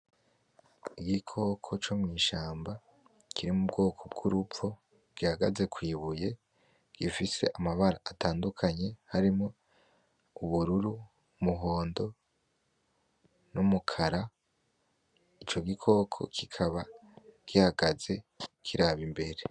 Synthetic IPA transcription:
iɡikʰo̞kʰo̞t͡ʃomŋiːʃaːmba | kʰiɾimub̚ɡo̞ːkʰo̞b̚ɡuɾupfo | b̥ɡ̥ihaɡaze̞kwiːβuje̞ | ɡ̥ifise̞ʔamaβaɾaʔːtaːndukʰaɲe̞haɾimŋo | uβuɾuɾu | muɦo̞ːndo̞ | numukʰaɾa | it͡ʃo̞ɡikʰo̞kʰo̞̰kʰikʰaβaɡ̥ihaɡaze̞kʰiɾaβimbe̞ɾe̞

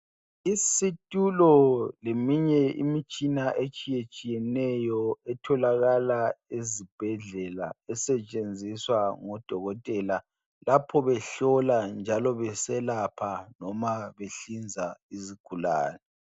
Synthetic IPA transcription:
isitʼulɔlemiɲɛḭmit͡ʃʼinaʔet͡ʃʼijet͡ʃʼijɛnɛjɔɛtʰɔlaɣalaezib̥ʱɛɮɛla̰ɛsɛt͡ʃʼend͡zʱiswaŋɔd̥ʱɔɣɔtʼɛla | lapʰɔβɛɬɔland͡ʒʱalɔβɛsɛlapʰanɔmaβeɬind͡zʱaiziɡ̥ʱula̰ːnɛ

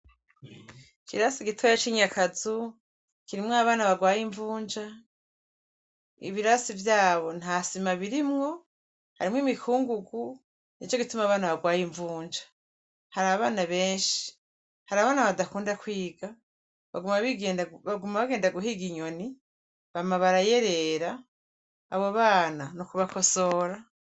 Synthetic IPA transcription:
kʰiɾasiɡitʰojat͡ʃiɲakazu | kiɾimŋaβaːnaβaɡwaːjiɱvuːɲd͡ʒa | ḭβiɾasivjaːβo̞n̥hasimaβiɾimŋo̞ | ha̰ɾimŋimikʰuːŋɡuɡu | nit͡ʃoɡitumaβaːnaβaɡwaːjiɱvuːɲd͡ʒḁ | haɾaβaβaːnaβe̞ːnʃi̥ | haɾaβaːnaβadakuːndakwiːɡa | βaɡumaβiɡeːndβaɡumaβaɡe̞ːndaɡuɦiɡiɲo̞ni | βamaβaɾaje̞ɾe̞ɾaː | βo̞βaːnanukuβako̞so̞ɾa

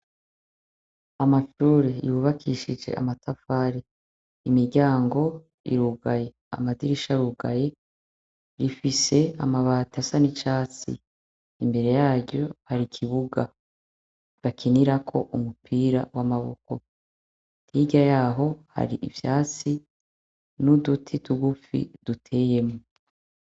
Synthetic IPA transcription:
amaʃuːɾejuβakʰiʃid͡ʒe̞̰ʔa̰matafaɾe | imiɾɟaːŋɡo̞ | ḭɾuɡaje̞ | a̰madiɾiʃaɾuɡaje̞ | ɾifise̞amaβaːtasanit͡ʃaːt͡sḭ | imbe̞ɾe̞jaːɟɟo̞haɾikʰiβuɡa | βakʰiniɾakʰo̞̰ʔumupʰiːɾawamaβo̰ko̞ | tʰiɡɟajaːɦo̞ha̰ɾiʔḭvjaːt͡si | nudutʰitʰuɡufḭd̥utʰe̞ːje̞mŋo

